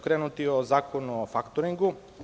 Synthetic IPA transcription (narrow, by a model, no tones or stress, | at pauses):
kɾeːnut̪iozaːkonofakt̪oɾiŋɡu